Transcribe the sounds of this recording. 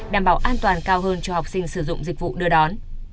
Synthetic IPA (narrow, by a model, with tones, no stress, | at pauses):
ɗaː˧˩mɓaː˧˩wʔaː˧nt̪waː˨˩nkaː˧wɦəː˧nt͡ɕɔ˧ha˨˩wk͡p̚sï˧ŋ̟sɨ˧˩zʊ̰˧˨ŋ͡mzï˨˩k̟̚vṵ˧˨ɗɨ˨˧əɗɔ˨˦n